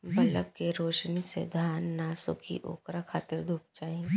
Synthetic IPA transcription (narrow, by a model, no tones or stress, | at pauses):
bɐləb̚keɾoːʃnisḛd̪ʱaːnːaːsʊ̰kʰḭʔo̰ːkɾakʰaːt̪ɪɾd̪ʱuːp̚d͡ʒaːẽ